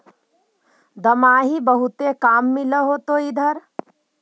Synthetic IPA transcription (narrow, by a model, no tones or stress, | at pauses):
d̪əmaːɦibəɦut̪ekaːmːɪləɦot̪oid̪ʱəɾ